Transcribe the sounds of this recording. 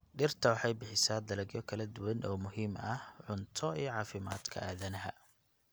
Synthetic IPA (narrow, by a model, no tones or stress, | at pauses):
ɖɪrt̪ʰɐwɑħɑjbɪħɪsaːd̪ɐlɐɡjɔkʰɐlɐd̪ʊwɐnʔɔːmʊɦiːmɐhʕʊnt̪ʰɔijɔʕɑːfɪma̰ːd̪kʰɐ̰aːðɐnɐɦɐ